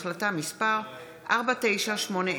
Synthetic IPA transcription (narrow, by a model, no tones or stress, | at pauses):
χlatamispaʁ | ʔa̰ʁbate̞jʃaʃmo̞ne